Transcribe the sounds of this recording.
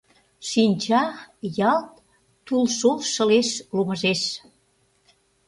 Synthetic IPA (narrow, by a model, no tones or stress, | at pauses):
ʃinʲt͡ɕɑjɑlt̪̚ | t̪ulʃolʃə̆leʃluməʒeʃ